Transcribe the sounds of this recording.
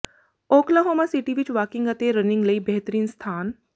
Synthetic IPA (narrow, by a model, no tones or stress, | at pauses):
oːklaɦoːmasiʈiʋɪt͡ʃʋaːkɪ̃ŋɡɐt̪eɾənɪ̃ŋɡlɐiːbɛɦt̪əɾiːnst̪ʰaːn